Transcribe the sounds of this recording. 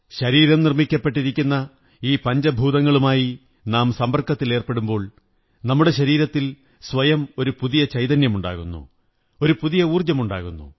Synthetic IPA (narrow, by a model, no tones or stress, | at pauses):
ɕɐɾiːɾɐmnirmikʲːɐpːe̞ʈːiɾikʲːunːɐ | iːpɐɲd͡ʑɐbʱuːðɐŋːɐɭumaːji | naːmsɐmbɐrkːɐt̪ːile̞ːrpe̞ɽumbo̞ːɭ | nɐmːuɽe̞ɕɐɾiːɾɐt̪ːil | sʋɐjɐmo̞ɾupuðijɐt͡ɕɐjðɐnjɐmuɳɖa̰ːɣunːṵ | o̞ɾupuðijɐuːrd͡ʑɐmuɳɖa̰ːɣunːṵ